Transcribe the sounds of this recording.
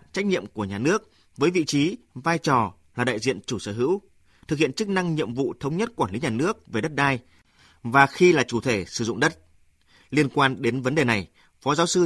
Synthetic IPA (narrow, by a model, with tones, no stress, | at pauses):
t͡ɕa˦˥jk̚ɲḭ˧˨əmku˧˩əɲaː˨˩nɨ˦˥ək̚ | vəː˨˦jvḭ˧˨t͡ɕi˨˦vaː˧jt͡ɕɔ˨˩ | laː˨˩ɗa̰ː˧˨jzḭ˧˨ənt͡ɕu˧˩səː˧˩ɦɨ̰˧˥w | t̪ʰɨ˨˩hḭ˧˨ənt͡ɕɨ˦˥k̚na˧ŋɲḭ˧˨əmvṵ˧˨t̪ʰə˨˦wŋ͡mɲə˦˥t̚kwaː˧˩nli˨˦ɲaː˨˩nɨ˦˥ək̚ve˨˩ɗə˦˥t̚ɗaː˧j | vaː˨˩xi˧laː˨˩t͡ɕu˧˩t̪ʰe˧˩sɨ˧˩zʊ̰˧˨ŋ͡mɗə˦˥t̚ | li˧ənkwaː˧nɗe˨˦nvə˨˦nɗe˨˩na˨˩j | fɔ˨˦zaː˨˦wsɨ˧